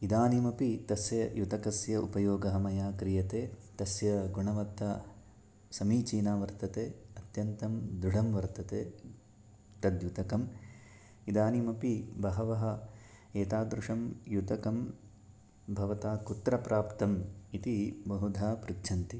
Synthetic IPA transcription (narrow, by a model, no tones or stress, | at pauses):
id̪aːnimɐpit̪ɐsjɐjut̪ɐkɐsjɐʔupɐjoːɡɐɦɐmɐjaːkɾijɐt̪eːt̪ɐsjɐɡuɳɐʋɐt̪ːɐ | sɐmiːt͡ʃiːnaːʋɐɾt̪ɐt̪eːɐt̪jɐnt̪ɐmd̪ɾuɽɐmʋɐɾt̪ɐt̪eː | t̪ɐd̪jut̪ɐkɐm | id̪aːnimɐpibɐɦɐʋɐɦɐ̆ | eːt̪aːd̪ɾuʂɐmjut̪ɐkɐm | bʱɐʋɐt̪aːkut̪ɾɐpɾaːpt̪ɐmit̪ibɐɦud̪ʱaːpɾikt͡ʃʰɐnt̪i